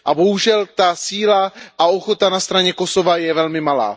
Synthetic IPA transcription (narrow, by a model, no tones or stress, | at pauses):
ʔabo̞ɦuʒɛlt̪asiːlaʔao̞xo̞t̪anast̪ɾaɲɛko̞so̞vajɛvɛlmɪmala̰ː